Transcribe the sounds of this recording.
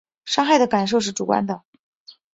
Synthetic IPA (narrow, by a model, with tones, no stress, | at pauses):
ʂɑ˥ŋxa˥˩ɪd̪ə˩ka˨˩nʂ̬o˥˧ʊʂ̬ɻ̩˥˩ʈ͡ʂu˨˩kwa̰˥nd̪ə˨